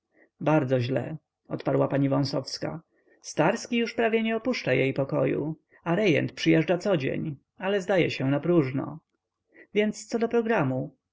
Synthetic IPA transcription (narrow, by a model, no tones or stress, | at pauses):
baɾd̪zɔʑlɛ̰ | ɔ̰t̪paɾwapaɲivɔ̃w̃sɔfska̰ | st̪aɾskʲijuʂpɾavʲjɛɲɛɔpuʂt͡ʂajejpɔkɔjṵ | aɾɛjɛ̰nt̪pʂɨjɛʐd͡ʐat̪sɔd͡ʑḛɲ | alɛzd̪ajɛɕɛnapɾuʐnɔ̰ | vʲjɛnt̪st̪sɔd̪ɔpɾɔɡɾamu